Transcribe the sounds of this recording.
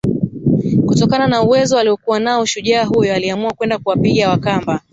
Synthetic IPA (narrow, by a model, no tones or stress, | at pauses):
kutɔkananauwɛzɔaliɔkuwanaɔʃuʄaːɦujɔaliamuakwɛndakuwapiɠawakamba